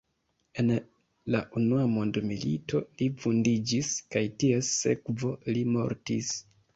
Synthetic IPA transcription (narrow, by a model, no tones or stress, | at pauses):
e̞n | laʔunuamondmilḭtʰo̞lifundid͡ʒiskajtiesːe̞̰kvo̞limo̞̰ɾtis